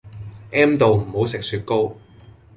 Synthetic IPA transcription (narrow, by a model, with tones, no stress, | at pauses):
ʔɛː˥mt̪o˨wm̩˨˩ho˨˥wsɪ˨k̚syː˧t̚ko˥w